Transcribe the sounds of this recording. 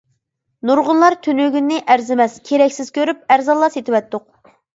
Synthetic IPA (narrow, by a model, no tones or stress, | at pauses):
nuɾʁʊnlˠɑɾt̪ʰynøɡʲynːɪʔæɾzɪmɛskʲʰeɾɛkʲsɪz̥kʲʰøɾyp̚æɾzɑlːˠɑset̪ʰɪwɛt̪ːʊq̚